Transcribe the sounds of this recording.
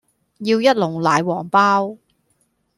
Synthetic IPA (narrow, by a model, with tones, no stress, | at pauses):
jiː˧wjɐ˥t̚lʊ˨˩ŋlaː˨˧jwɔː˨˩ŋpaː˥w